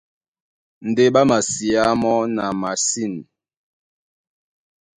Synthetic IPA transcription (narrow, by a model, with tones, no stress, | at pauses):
n̩˨de˦ɓa˦ma˨si˨a˦mɔ˦na˨ma˨si˦˨n